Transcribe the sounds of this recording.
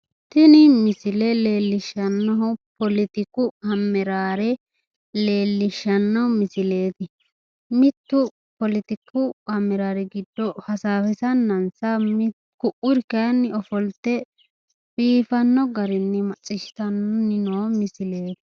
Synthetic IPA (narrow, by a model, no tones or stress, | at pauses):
t̪ɪnɪmɪsɪlɛleːlːɪʃɐnːɔɦʊpɔlɪt̪ɪkːʊhɐmːɛɾaːɾɛ | le̞ːlːɪʃːɐnːɔmɪsɪle̞ːt̪ɪ | mɪt̪ːʊ | pɔlɪt̪ɪkːʊhɐmːɛɾaːɾɛɡɪd̪ːɔhɐsaːfɛsɐnːɐnsɐm | kʊʔʊɾɪkɐjɐnːɪɔfɔlt̪ːɛ | fiːfɐnːɔɡɐɾɪnːɪmɐt͡sʼːɪʃɪ̥t̪ɐnɔnɪnoːmɪsɪle̞ːt̪ɪ̥